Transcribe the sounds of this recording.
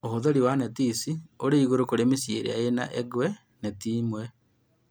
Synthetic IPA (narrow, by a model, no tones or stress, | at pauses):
ohoðoɾiwanetisioɾeiɣoɾokoɾemisjeɾḛa̰ena̰ʔeɡwɛ | netiːmwɛ